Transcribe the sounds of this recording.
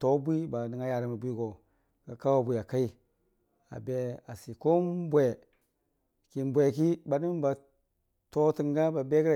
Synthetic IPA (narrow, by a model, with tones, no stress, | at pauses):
to˨˦bʷi˦ba˨di˨ŋa˦ja˨ɾa˨mi˨bʷi˦ɡo˨ | ɡa˨ka˦wa˨bʷi˨a˨ka˦i˦ | a̰˨be˦a˨si˨ko˦m˦bʷe˨ | ki˨m˨bʷe˨ki˦ba˨di˦m˦ba˨ | to˦ti˨ŋɡa˦ba˨be˦ɡɾa˨